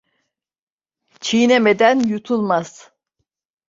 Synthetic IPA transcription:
t͡ʃʰineme̞d̪ænjut̪ʰulˠmaz̥

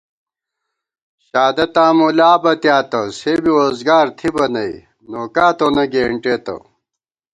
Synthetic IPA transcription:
ɕaːd̪ɐt̪ãːmulaːbɐt̪jaːt̪ɐsebiwozɡaːɾt̪ʰibɐnɐi | noːkaːt̪onɐɡeːɳʈeːt̪ɐ̰

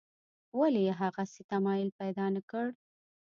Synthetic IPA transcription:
walejeɦaɣaset̪amɑjɪlpajd̪ɑnakəɽ

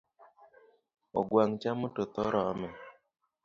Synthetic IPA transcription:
ɔ̰ɡwaŋt͡ʃamʊtot̪ɔɾɔamɛ

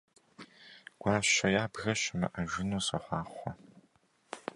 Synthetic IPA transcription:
ɡ̥ʷaːɕɐjaːbɣɐɕɐmɐ̰ʔɐʒɪnuːsɐħʷɑːχʷɔ

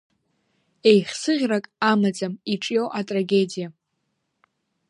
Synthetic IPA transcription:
e̞jχʲsɨʁʲrakʼamad͡zamiʈ͡ʂʼjowʔatʼraɡʲe̞dija

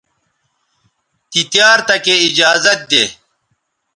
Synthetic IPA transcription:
t̪it̪jaːɾt̪ɐkeid͡ʑaːzɐt̪̚d̪eː

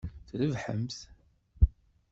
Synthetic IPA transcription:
θləvħəmθ

